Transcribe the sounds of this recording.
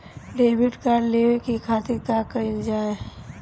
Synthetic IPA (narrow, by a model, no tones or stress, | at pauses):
ɖeːʋɪɖkaɾleːekikʰaːt̪ɪɾkakəid͡ʒaːe